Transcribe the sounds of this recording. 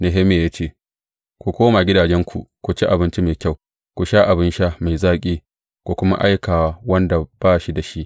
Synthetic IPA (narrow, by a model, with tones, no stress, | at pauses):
ne˨ɦe˦meː˨jaː˦t͡ʃeː˦˨ | kʷu˨kʷoː˦maː˨ɡʲɪ˦daː˨d͡ʒɛ˦ŋkʷʰu˨kʷu˨t͡ʃi˦ʔa˨bɪ˦nt͡ʃi˦me˨kʲa˦˨w | kʷu˨ʃaː˦ʔa˨bɪ˦nʃa˦ma˨jzaː˦kʲʼiː˦ | kʷu˨kʷʊ˦ma̰˦ʔa˦jkaː˨wa˦wɐ˦nda˨b̥aː˦ʃi˦da˨ʃi˦ʔ